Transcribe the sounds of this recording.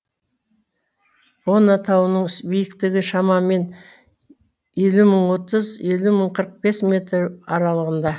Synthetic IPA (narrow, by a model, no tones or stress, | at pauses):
wo̞nɑt̪ʰɑwənəɴʏsbijɪkt̪ɪɡʲɪʃɑmɑme̞n | e̞luməɴwo̞t̪əze̞luməɴqʰəɾəq̚b̥e̞smʲe̞t̪ɾɑɾɑlˠəʁənd̪ɑ